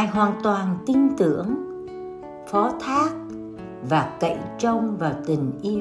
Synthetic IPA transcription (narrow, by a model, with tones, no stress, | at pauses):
jɦwaː˨˩nt̪waː˨˩nt̪i˧ŋt̪ɨ̰˧˥˨əŋ | fɔ˨˦t̪ʰaː˦˥k̚ | vaː˨˩kə̰˧˨jt͡ɕə˧wŋ͡mvaː˨˩wt̪ï˨˩ŋ̟ʔi˧